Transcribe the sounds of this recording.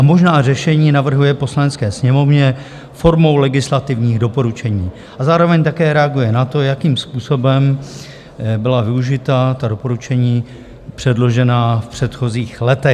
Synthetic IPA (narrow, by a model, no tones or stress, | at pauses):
ʔamo̞ʒnaːrɛʃɛɲiːnavr̩ɦujɛposlanɛt͡skɛːsɲɛmo̞vɲɛ | fo̞ɾmo̞wlɛɡɪslat̪ɪvɲiːɣdo̞po̞ɾut͡ʃɛɲiː | ʔazaːɾovɛɲt̪akɛːɾɛaɡujɛnat̪o̞jakiːmspuːso̞bɛm | bɪlavɪuʒɪt̪at̪ado̞po̞ɾut͡ʃɛɲiː | pr̝̥ɛdlo̞ʒɛnafpr̝̥ɛt̪xo̞ziːxlɛt̪ɛ